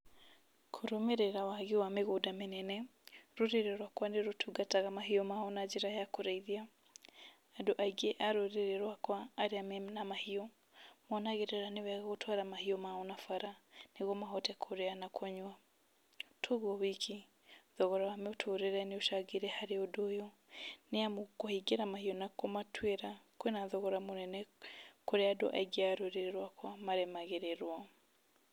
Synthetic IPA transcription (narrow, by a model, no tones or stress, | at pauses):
kʰoɾomeɾɛɾawaɣewameɣodamenɛnɛɾoɾeɾɛɾwakwaneɾotʰuɡataɣamaɦiɔmaonad͡ʒeɾajakoɾaiðiaː | doʔaiɡeʔaɾoɾeɾeɾwakwaːɾeamɛmnamahiɔ | mwɔnaɣeɾɛɾanewɛɣaɣotʰwaɾamahiɔmaonafaɾaneɣomaɦɔtɛkʰoɾeanakʰɔɲwa | tʰoɣwɔβiki | ðɔɣɔɾawamɛotʰoɾeɾɛneoʃaɣiɾɛhaɾeodojɔ | neamokohiɡeɾamahiɔnakomatʰweɾakwenaðɔɣɔɾamonɛnɛkoɾeado̰ʔaɡiaɾoɾeɾɛɾwakʰwamaɾɛmaɣeɾɛɾwa